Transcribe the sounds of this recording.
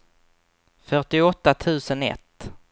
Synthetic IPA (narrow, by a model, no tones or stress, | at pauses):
fœʈɪɔt̪ːat̪ʰʉ̟ːsənɛ̰t̪ː